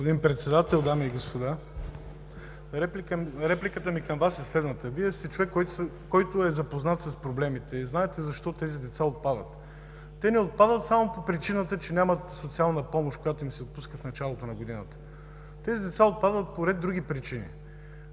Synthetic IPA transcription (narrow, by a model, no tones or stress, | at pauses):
opod̪inpɾɛt̪sɛd̪at̪ɛlˠd̪amiːɡospod̪a | ɾɛplikɾɛplikət̪əmikɐmvasɛslɛd̪nət̪əviɛst̪ɛt͡ʃovɛkːɔ | kɔjt̪ʊɛzɐpoznat̪sɐspɾoblɛmit̪ɛiznaɛt̪ɛzɐʃt̪ɔt̪ɛzid̪ɛt̪saot̪̚pad̪ə̰t̪ | t̪ɛnɛot̪̚pad̪ət̪samopopɾit͡ʃinət̪ət͡ʃɛnʲamɐt̪sot̪sialˠnəpɔmoʃkojat̪oimsɛot̪̚puskəfnɐt͡ʃalˠot̪onɐɡod̪inət̪ə̥ | t̪ɛzid̪ɛt̪saot̪̚pad̪ət̪̚poɾɛd̪d̪ːɾuɡ̟ʲipɾit͡ʃinḭ